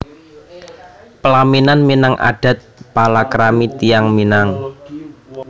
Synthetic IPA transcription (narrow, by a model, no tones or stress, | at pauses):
pəlaminanminaŋʔa̰ɖ̥a̤t̪̚palakɾamit̪ijaŋminaŋ